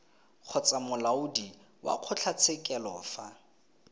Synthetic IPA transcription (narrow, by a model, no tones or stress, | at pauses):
q͡χʰɔt͡sʼamʊlaʊdi | wa̰q͡χʰʊt͡ɬʰat͡sʰɛkʼɛlɔːfa